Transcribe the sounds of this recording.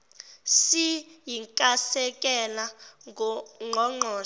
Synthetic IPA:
sijiŋkʼasɛkʼɛla | ŋ͡ǃʱɔŋ͡ǃɔː

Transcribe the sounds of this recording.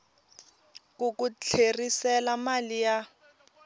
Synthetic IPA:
kukut͡ɬʰerisɛlamalija

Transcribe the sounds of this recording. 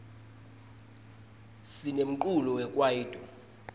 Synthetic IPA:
sinem̩ǃulɔwɛkʼwajiːdʼʱɔ

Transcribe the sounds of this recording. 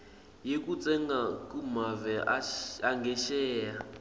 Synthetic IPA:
jekut͡sʼɛŋɡakumavɛaŋɡɛʃɛːja

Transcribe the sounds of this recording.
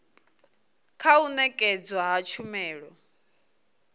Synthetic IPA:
kʰaunɛkʼɛd͡zwaɦat͡ʃʰumɛːɺɔ

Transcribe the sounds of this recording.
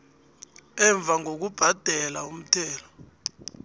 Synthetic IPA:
ɛɱb̪vʱaŋʱok̬ub̥ʱad̥ʱɛlaum̩tʰɛːlɔ

